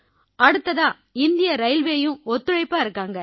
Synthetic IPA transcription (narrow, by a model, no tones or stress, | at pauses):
ɐɽɯt̪ːɐðãː | ɪnd̪ɪjɐɾɐɪlʋeːjɯ̃ɔt̪ːɯɻɐɪpːaːɪɾɯkːaːŋɡɐ